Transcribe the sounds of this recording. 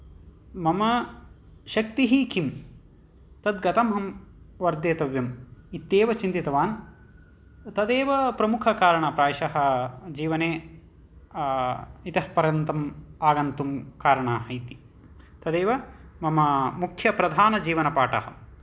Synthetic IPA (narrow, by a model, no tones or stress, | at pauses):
mɐmɐ | ʃɐk̚t̪iɦikim | t̪ɐd̪ɡɐt̪ɐmɦɐm | ʋɐɾd̪jeːt̪ɐʋjɐmit̪ːeːʋɐt͡ʃint̪it̪ɐʋaːn | t̪ɐd̪eːʋɐpɾɐmukʰɐkaːɾɐɳɐpɾaːʃɐɦɐ̆d͡ʒiːʋɐneː | it̪ɐɦɐpɐɾjɐnt̪ɐmaːɡɐnt̪umkaːɾɐɳaɦɐjt̪i̥ | t̪ɐd̪eːʋɐmɐmɐmukʰjɐpɾɐd̪ʱaːnɐd͡ʒiːʋɐnɐpaːʈɐ̰ɦɐ̰